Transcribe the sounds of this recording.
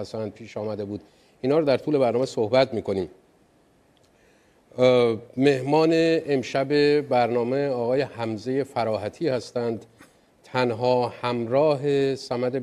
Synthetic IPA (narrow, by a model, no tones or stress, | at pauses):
st̪ænd̪̚pʰiːʃɒːmæd̪e̞buːd̪̥ | iːnhɒːɾɑd̪æɾt̪ʰuːle̞bæɾnɒːmesohbæt̪miːkʰo̞niːm | me̞hmɒːneʔːmʃæbe̞bæɾnɒːme̞ɒːɣɒːje̞hæmze̞je̞fæɾɒːɦæt̪ʰiːhæst̪ænd̪ | t̪ʰænɦɒːhæmɾɒːɦe̞sæmæd̪e̞